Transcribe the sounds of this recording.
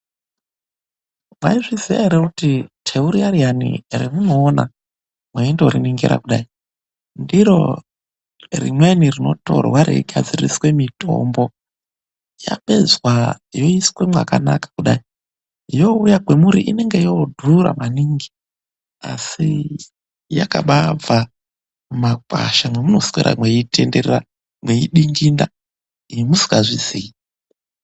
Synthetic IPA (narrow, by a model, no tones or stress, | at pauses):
mwa̰iʐizijaiɾekutitʰeuɾiarianḭremuno̞ːna̰ | mweindeoɾiniŋɡeɾa̰kuɗai | ndiɾo̰ | rḭmwenirino̞̰to̰rowaɾiiɡʱa̰d͡zirḭswe̞mito̞̰mbo̞ | ja̰ɓe̞zwajo̞iskwe̞mwakanakḁkuɗai | jo̞ujakwe̞muɾiʔine̞ŋɡejodʱuɾa̰maniːŋɡi | a̰si | jakaɓab͡va | makwa̰ʃamwemuno̞swḛɾʔa̰mweitʰenderera | mwe̞iɗiŋɡinda | iimusi̥ɡaʐizii